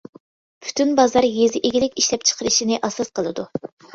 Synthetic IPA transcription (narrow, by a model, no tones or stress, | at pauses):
pʰy̥t̪ʰynbɑzɑɾjezɪʔeɡʲilɪkʲiʃlɛp̚t͡ʃʰə̥qʰəɾɨʃinɪʔɑsɑsqəlˠɨd̪u